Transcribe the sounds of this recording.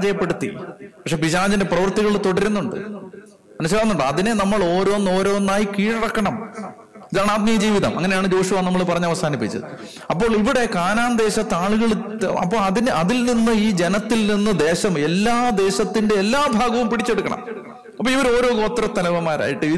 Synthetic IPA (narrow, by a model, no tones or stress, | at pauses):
d͡ʑɐjɐpːe̞ɽut̪ːḭpɐkʂe̞ːbiɕaːd͡ʑinde̞prɐʋɐrt̪iɣɐɭt̪o̞ɽɐɾunːuɳɖɨ̰ | ɐnuɕ̬ɐlaɐnːuɳɖɨɐðine̞nɐmːɐɭo̞ːɾo̞ːnːo̞ːɾo̞ːnːaːjikiːʈɐɽɐkːɐɳɐm | iðaːɳaːd̪̚mijɐd͡ʑiːʋiðɐmʔɐŋːɐne̞jaːɳɨd͡ʑo̞ːɕuʋanɐmːɐɭpɐrɐɲːɐʋɐsaːnipːit͡ɕːɐ̰ðɨ | ɐpːo̞ːɭiʋiɽe̞kaːnaːnd̪e̞ːɕɐt̪ːaːɭuɣɐɭɐ̰pːo̞ːɭɐðinʔɐðilninːɨiːd͡ʑe̞nɐt̪ːilninːɨd̪e̞ːɕɐme̞lːaːd̪e̞ːɕɐt̪ːinde̞elːaːbʱaːɡɐʋumpiɽit͡ɕːeɽukːɐɳɐ̰m | ɐpːoːiʋɐɾo̞ːɾo̞ːɡoːt̪ːrɐt̪ːɐlɐʋɐmːaːɾa̰ːjiʈːɨi